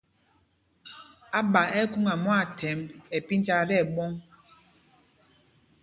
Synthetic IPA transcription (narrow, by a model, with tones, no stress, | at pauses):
a˦ɓa˨ɛ˦ku˦ŋa˨mɔ˦a˨tʰɛ˨˦mɛ˨pi˦n˦t͡ʃa˦ɾɛ˦˨ɓɔ˦ŋ